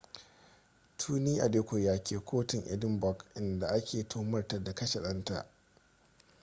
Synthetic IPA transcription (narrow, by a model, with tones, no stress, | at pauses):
tʰuː˦niː˦ʔa˨deː˦kʷʊ˨jaː˨kʲeː˨kʷoː˦tɪ˨ŋʔɪ̰˦dɪ˦mbɔ˨kʔɪ˨nda˨ʔa˦kʲeː˨tʰoː˦mɐ˦rtɐ˦˨da˨kɐ˦ʃe˨ɗɐ˦nta̰˨ʔ